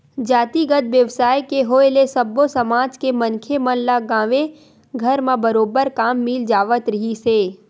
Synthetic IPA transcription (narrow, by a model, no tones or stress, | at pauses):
d͡ʒaːt̪iɡət̪ʋjəʋsaːjkeɦoelesɐbosɐmaːd͡ʒkemɐ̃nkʰemɐnlaɡãːʋe | ɡʱɐɾmãbɐɾoːbəɾkaːmːɪld͡ʒaːʋət̪ɾɐɦiseː